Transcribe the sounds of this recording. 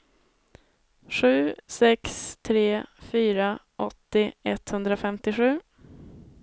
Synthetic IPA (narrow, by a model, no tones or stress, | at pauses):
ɧʉ̟ːsɛkst̪ʰɾeːfyːɾaʔɔt̪ːɪɛt̪hɵnd̪ɾafɛmt̪ɪɧʉ̟ː